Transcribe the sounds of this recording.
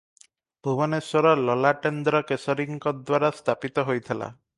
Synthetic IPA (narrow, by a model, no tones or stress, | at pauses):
bʱubɔneswɔɾɔlɔlaʈend̪ɾɔkesɔɾiŋkɔd̪waɾast̪ʰapit̪ɔɦojt̪ʰela̰